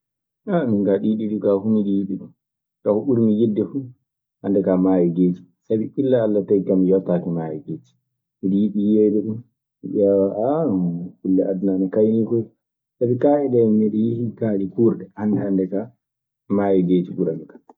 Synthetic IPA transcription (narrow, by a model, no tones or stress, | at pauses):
amiŋkaɗiɗiɗikahumiɗijiɓiɗum | kahuɓuɾmijidːɛfu | ʔandɛkamajɛɡeːti̥ | sabiilːaːlːatajkamijɔtːakimajɛ̰ɡeːti̥ | midijiɓijɛdɛɗun | miʔawaʔakulːɛadnanɛkajnikɔj | sabikaɛdɛmiɗijihikaːɗikuːɾɗɛandɛandɛka | maːjɛɡetibuɾamikḁ